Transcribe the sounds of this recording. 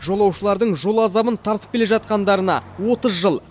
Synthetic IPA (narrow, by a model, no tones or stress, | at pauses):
ʒo̞lˠɑwʃəlˠɑɾd̪əɴʒo̞lˠɑzɑmənt̪ʰɑɾt̪əp̚kʲeleʒɑt̪̚qɑnd̪ɑɾənɑ̰wo̞t̪əzʒəlˠ